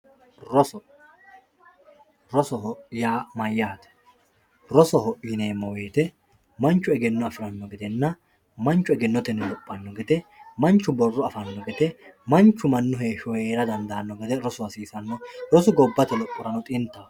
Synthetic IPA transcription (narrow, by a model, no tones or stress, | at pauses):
ɾɔ | ɾɔsɔɦɔʔɪjaːmɐjːaːt̪ɛ̥ | ɾɔsɔhɔʔɪneːmːɔweːt̪ɛ | mɐnt͡ʃːʊɛɡɛnːɔɐfɪɾɐnːɔɡɛd̪ɛnːɐ | mɐnt͡ʃːʊɛɡɛnːɔt̪ɛnɪlɔpʼːɐnːɔɡɛt̪ɛmɐnt͡ʃːʊbɔrːʊɐfɐnːɔɡɛt̪ɛmɐnt͡ʃːʊmɐnːʊɦeːʃɔjeːɾɐd̪ɐnd̪ɐːnːɔɡɛd̪ɛɾɔsʊwɐsiːsɐnːɔɾɔsʊɡɔbːɐt̪ɛlɔpʼːʊɾɐnɔt̪ʼɪnt̪ːɐ